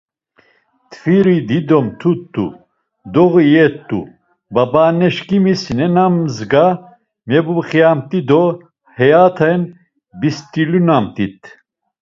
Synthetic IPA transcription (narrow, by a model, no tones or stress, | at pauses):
t̪ʰfiɾid̪id̪ɔmt̪ʰut̪ːṵ | d̪ɔɣijɛt̪ːṵ | babanɛʃkimisnɛnamzɡa | mɛbuχjamt̪id̪ɔ | hɛjat̪ʰan | bist̪ʼilunamt̪ʼit̪